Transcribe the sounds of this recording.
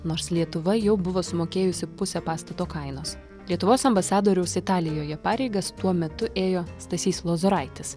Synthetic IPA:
noːɾslʲiɛt̪ʊʋɐjɛʊbʊʋoːsʊmoːkʲeːjʊsʲɪpʊsʲɛpɑːst̪ɐt̪oːkɐɪnoːs | lʲiɛt̪ʊʋoːsɐmbɐsɑːd̪oːɾʲɛʊsɪt̪ɑːlʲɪjoːjɛpɑːɾʲɛɪɡɐst̪uɔmʲɛt̪ʊʔeːjoːst̪ɐsʲiːslˠoːzoɾɐɪt̪ʲɪs

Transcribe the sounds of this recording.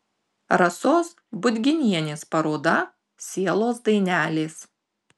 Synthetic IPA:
ɾɐsoːs | bʊd̪ʲɡʲɪnʲiɛnʲeːspɐɾoːd̪ɐ | sʲiɛlˠoːsd̪ɐɪnʲæːlʲeːs

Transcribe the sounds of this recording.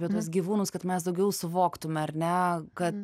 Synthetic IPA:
pʲiɛt̪uɔsɡʲiːʋuːnʊskɐt̪mʲɛsd̪ɐʊɡʲɛʊsʊʋoːkt̪ʊmʲɛɐrnʲɛkɐt̪

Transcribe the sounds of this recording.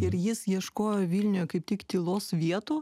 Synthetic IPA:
ɪɾjɪsjiɛʃkoːjoːʋʲiːlʲnʲʊjɛkɐɪp̚t̪ʲɪkt̪ʲilˠoːsʋʲiɛt̪uː

